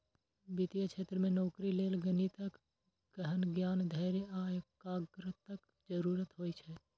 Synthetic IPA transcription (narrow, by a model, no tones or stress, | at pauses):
bit̪ijəkt͡ʃʰeːt̪ɾəmẽnɔːkɾileːlɡənit̪ək | ɡ̥əɦənɡjaːnd̪ʱəːɾeaːjkaːɡɾət̪ək | d͡ʒəɾuːɾət̪ɦoːit͡ʃʰɛː